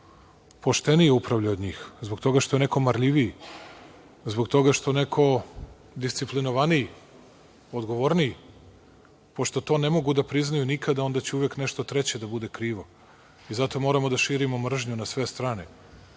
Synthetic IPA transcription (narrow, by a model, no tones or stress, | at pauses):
po̞ʃt̪e̞nijeupɾavʎaod̪ɲiːxzboɡt̪o̞ɡaʃt̪o̞jene̞ko̞maɾʎiʋi | zboɡt̪o̞ɡaʃt̪one̞kʰo̞ | d̪ist̪siplinoʋaniji | od̪ɡo̞ʋoɾnii | poʃt̪o̞t̪o̞nemo̞ɡud̪apɾiznajunikʰad̪ao̞nd̪at͡ɕeuʋekneʃt̪ot̪ɾe̞t͡ɕe̞d̪abud̪e̞kɾiːʋo̞ | izat̪o̞mo̞ːɾamo̞d̪aʃiːɾimomr̩ʒɲunasʋe̞st̪ɾaːnḛ